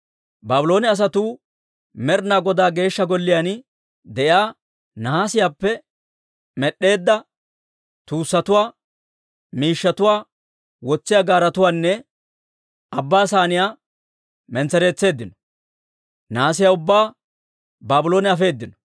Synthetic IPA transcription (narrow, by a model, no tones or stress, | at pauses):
baːbʊlo̞ːnɛɐs̬ɐt̪uː | mɛɾnaːɡɔd̪aːɡe̞ːʃːɐɡɔlːɪjan | d̪ɛʔjaː | naːsɪjaːpːɛ | mɛɗːe̞ːd̪ːɐ | t̪uːsːɐt̪ʊwaː | miːʃːɐt̪ʊwaː | wɔt͡sːɪjaːɡaːɾɐt̪ʊwaːnːɛ | ɐbːaːsaːnɪjaː | mɛnt͡sːɛɾe̞ːt͡sːe̞ːd̪ːɪnɔ̥ | naːs̬ɪjaːʊbːaː | baːbʊlo̞ːnɛɐfe̞ːd̪ːɪnɔ̥